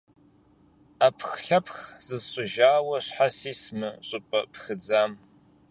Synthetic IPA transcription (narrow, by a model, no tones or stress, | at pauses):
apʰxɬɐpʰxz̥ɨzɕʼʊʒaːwɐɕħasiːsmɨɕʼʊpʼɐ̰pxɨd͡zaːm